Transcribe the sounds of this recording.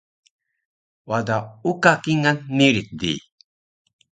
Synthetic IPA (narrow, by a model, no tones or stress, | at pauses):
wad̪aukakiŋanːiɾit̪̚d̪ḭ